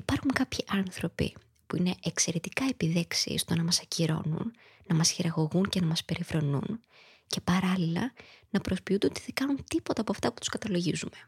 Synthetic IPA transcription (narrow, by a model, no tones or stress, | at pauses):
ipɐɾxuŋkɐpçiʔɐnθɾo̞pḭ | puine̞ʔekse̞ɾe̞t̪i̥kɐe̞piðe̞ksḭst̪o̞nɐmɐsɐciɾo̞̰nṵnː | ɐmɐsçiɾɐɣo̞ɣuɲce̞nɐmɐspe̞ɾifɾo̞nṵn | ce̞pɐɾɐlilɐ̰nɐpɾo̞spiund̪eot̪iðeɡɐnunt̪ipo̞t̪ɐːpoɐft̪ɐpu̥t̪u̥skɐt̪ɐlo̞ʝizume̞